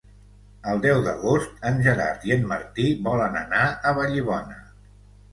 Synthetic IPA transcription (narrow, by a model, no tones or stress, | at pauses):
əlˠd̪ɛwðəɣost̪ənʲʒəɾa̰ɾt̪ienmə̰ɾt̪iβɔlənə̰naəβəʎiβ̞ɔnə